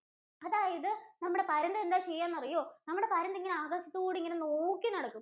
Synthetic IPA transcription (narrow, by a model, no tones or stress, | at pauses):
ɐðaːjɐðɨnɐmːuɽe̞pɐɾɐnd̪ɐend̪aːt͡ɕejːaːnːɐrijoːnɐmːuɽe̞pɐɾɐnd̪ɐiŋːɐneaːɡɐɕi̥t̪ːɨkuːɽiŋːɐnenoːkːinɐɽɐkːum